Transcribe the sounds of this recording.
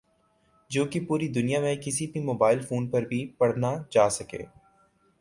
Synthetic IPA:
d͡ʒoːkipuːɾid̪ʊnijamẽkɪsibʱimoːbaːɪlfoːnpɐɾbʱipɐɽ̤nad͡ʒaːsɐkḛː

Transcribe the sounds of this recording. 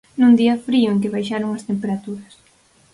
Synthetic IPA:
nũnd̪iɐfɾiʊeŋkɪβ̞ajʃaɾoŋɐst̪empeɾat̪uɾɐs

